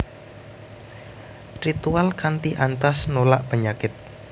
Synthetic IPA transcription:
rit̪ualkant̪iʔant̪asnolaʔpəɲakɪt̪̚

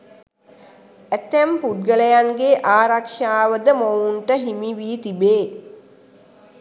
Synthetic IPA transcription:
æt̪ːæmpud̪̚ɡələjaŋɡeʔaːɾakʃaːʋəd̪əmowuɳʈəɦimiʋiːt̪ibeː

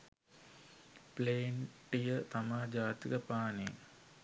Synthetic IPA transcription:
pleːɳʈijət̪amaːd͡ʒaːt̪ikəpaːne

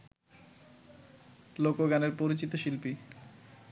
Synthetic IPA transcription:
lokoɡaneɾpoɾit͡ɕit̪oʃilpi

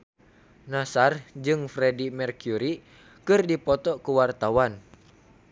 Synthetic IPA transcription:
nasard͡ʒɨŋfɾɛdimɛrkjuɾi | kɨrdipɔt̪ɔkuwart̪awan

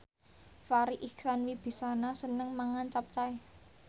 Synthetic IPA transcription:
faɾiʔiksanwib̥i̤sanasənəŋmaŋant͡ʃap̚t͡ʃaj

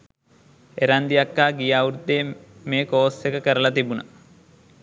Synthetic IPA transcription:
eɾand̪ijakːaːɡijaːuɾud̪eːmeːkoːsekəkəɾəlat̪ibunə

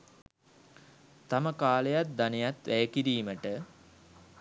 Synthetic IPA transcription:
t̪aməkaːlejat̪̚d̪anejat̪ʋæjəkiɾiːməʈə

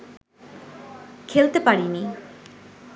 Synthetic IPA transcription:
kʰelt̪epaɽini

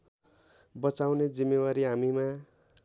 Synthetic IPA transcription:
bʌt͡sawned͡zimːewaɾiɦamima

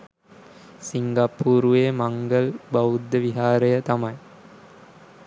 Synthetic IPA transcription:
siŋɡɐpːuːɾueːmɐŋɡɐlbɐwud̪ːɐʋiɦaːɾɐjɐt̪ɐmɐj

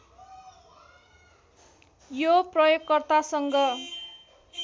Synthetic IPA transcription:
joprʌjokːʌrt̪asʌŋɡʌ

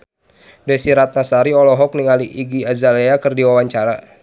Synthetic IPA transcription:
dɛsiɾat̪̚nasaɾiɔlɔɦɔk̚niŋaliʔiɡiazaleakɨrdiwawaɲt͡ʃaɾa

